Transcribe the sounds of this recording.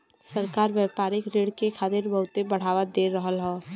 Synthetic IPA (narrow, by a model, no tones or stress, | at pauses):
səɾkaːɾʋjɛːpaːɾɪkɾeːɽkekʰaːt̪eɾbəɦʊt̪ebəɽ̤aːʋad̪eːɾəɦəlɦɛː